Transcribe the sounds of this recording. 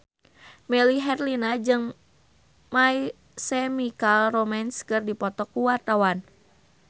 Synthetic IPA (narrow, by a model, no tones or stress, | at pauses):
mɛliɦɛrlinad͡ʒɨŋ | mai | sɛmikalrɔmanskɨrdipɔt̪ɔkːuwart̪awan